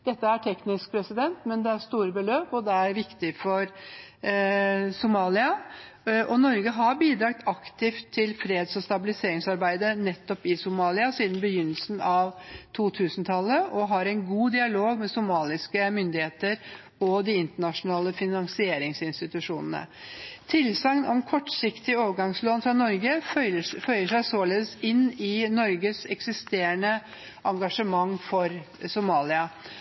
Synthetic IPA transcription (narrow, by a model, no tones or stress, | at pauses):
d̪̥ɛt̪ːəæʈʰɛknɪsk̚pʰɾɛsɪd̪ɛnt̪mɛnd̪ɛæɾʂt̪uːɾəbəløːpɔd̪ɛæɾʋɪkt̪ɪfɔɾ | sʊmɑːlɪɑ | ʔɔnɔɾɡəɦɑɾbiːd̪ɾɑːk̚t̪ʰɑkt̪ɪft̪ʰːɪlfɾeːd̪sɔst̪ɑbɪlɪseːɾɪŋsɑɾbæɪd̪ənɛt̪ːɔpɪsʊmɑːlɪɑsiːd̪nbəjʏnːəlsn̩ɑʋt̪ʰuːt̪ʰʉːsnt̪ʰɑlːəʔɔɦɑɾɛɪnɡuːd̪ɪɑloːɡmɛsʊmɑːlɪskəmʏnd̪ɪheːt̪əɾ | ɔd̪ɪɪnt̪əɳɑʂʊnɑːləfɪnɑŋsɪeːɾɪŋsɪnst̪ɪt̪ʉʂuːnənə̰t̪ʰɪlsɑŋnɔmkʰɔʈːsɪkt̪ɪoːʋəɡɑŋsloːnfɾɑnɔɾɡəəfœʏəʂæɪsoːleːd̪əsɪnɪnɔɾɡəsɛksɪst̪eːɾəɳə | ʔɑŋɡɑʂəmɑŋːfɔɾsʊmɑːlɪɑ